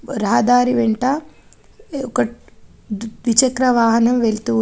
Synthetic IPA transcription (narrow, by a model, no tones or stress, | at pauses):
ɾaɦɐd̪aːɾiʋeɳʈɐ | ɔkɐ | ʋit͡ʃɐkɾɐʋaːɦɐnɐmʋeɭt̪u